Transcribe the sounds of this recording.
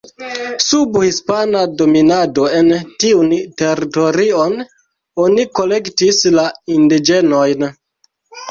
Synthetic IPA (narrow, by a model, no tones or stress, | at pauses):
subhispanado̞minado̞e̞ntiunte̞ɾito̞ɾio̞n | o̞niko̞le̞ktislaindid͡ʒe̞no̞jn